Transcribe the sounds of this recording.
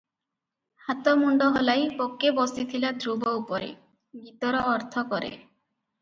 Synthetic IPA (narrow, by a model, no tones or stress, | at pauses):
hat̪ɔmuɳɖɔɦɔlajpokːebɔsit̪ʰilad̪ɾubɔupɔɾḛ | ɡit̪ɔɾɔːɾt̪ʰɔkɔɾḛ